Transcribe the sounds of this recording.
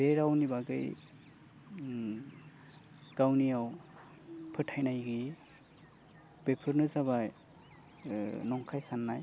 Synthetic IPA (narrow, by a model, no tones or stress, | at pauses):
beɾawnibaɡɯj | ɡ̥awnijaw | pʰɯtʰajnajɡi | b̥epʰɯɾnɯzaβaj | nɔŋkʰajsanːaj